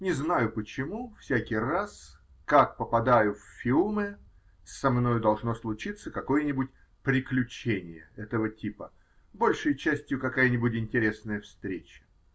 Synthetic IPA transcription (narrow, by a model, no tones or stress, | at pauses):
nʲɪznajʊpət͡ɕɪmufsʲækʲɪjras | kak̚pəpɐd̪ajʊfʲfʲilˠmɨ | sɐmno̞jʊd̪ɐlˠʐno̞slˠʊt͡ɕit̪sːəkɐko̞jənʲɪbʊt̚ʲ | pɾʲɪklʲʉt͡ɕenʲɪ̰jə̰ɛt̪əvətʲipə | bo̞lʲʂəjt͡ɕæsʲtʲjʊkɐkajənʲɪbʊtʲɪnʲtʲɪɾʲe̞snəjəfst̪ɾʲet͡ɕə̥